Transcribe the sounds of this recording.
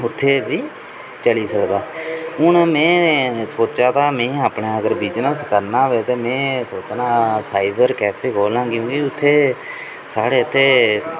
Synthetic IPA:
ʊt̪ʰːeːʋiː | t͡ʃəliːsəkd̪aːʊɳmɛ̃ːsoːt͡ʃaːt̪aːmẽːaːpɳaːəɡəɾbiːd͡ʒnəlskəɾnaːʋeːt̪eːmɛ̃ːsoːt͡ʃːnaːsaːɪbəɾkɛːpʰeːkoːlãːkjõːkiʊt̪ʰːeː | saːɽeːət̪ʰːeː

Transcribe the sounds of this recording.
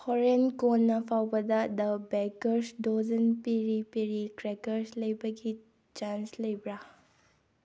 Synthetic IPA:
hɔɾenkonːɐpʰawbɐdɐdɐbekɐɾsdozɐnpiɾipiɾikɾekɐɾslɐjbɐɡi | t͡ʃanslɐjbɾa

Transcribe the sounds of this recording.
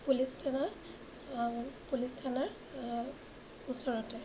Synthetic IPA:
pulistʰana | aɹupulistʰanaɹ | usɔɹɔtɛ

